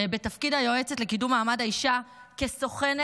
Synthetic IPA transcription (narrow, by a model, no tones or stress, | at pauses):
be̞t̪afkidhajo̞et͡setle̞kidumːaːmadaiʃakeso̞χen